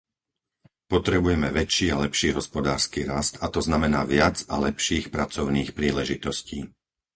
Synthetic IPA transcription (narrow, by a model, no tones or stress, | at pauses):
pɔt̪ɾɛbujɛmɛʋɛt͡ʃiːalɛpʃiːɦɔspɔd̪aːɾskiːɾast̪at̪ɔznamɛnaːʋɪad͡zalɛpʃiːxpɾat͡sɔʊniːxpɾiːlɛʒit̪ɔsciː